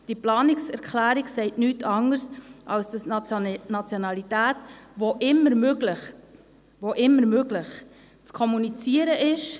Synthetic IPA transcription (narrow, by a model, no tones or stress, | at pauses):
d̥iplɑːnɪksɛɾkχlæːɾiksɛɪtnyːtʰɑŋəɾsʔɑlsd̥ɑsnɑt͡sjonɑlitæːtvoʔɪmːəɾmøɡləχ | voʔɪmːəɾmøɡ̥lɪχ | t͡skʰɔmunit͡siəɾəʔɪʃ